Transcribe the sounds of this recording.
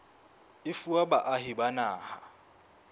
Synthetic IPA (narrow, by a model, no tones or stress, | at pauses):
ɪfuabaʔaɦɪbanaːha